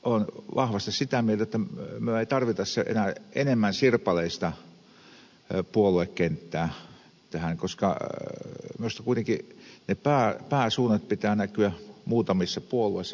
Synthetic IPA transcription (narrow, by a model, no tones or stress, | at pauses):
ʔonʋʔɑhʋɑst̪issit̪æmielt̪æet̪ːæmyøeˑit̪ɑrʋit̪ɑsseʔḛnæʔenemːænsirpɑleist̪ɑ | puoluekkent̪ːæː | t̪æhæŋkoskɑ̰ | miust̪ɑkuit̪eŋkinepæːpæːsuːnɑt̪̚pit̪æːnækyæmuːt̪ɑmisːɑpuoluoˑisːɑ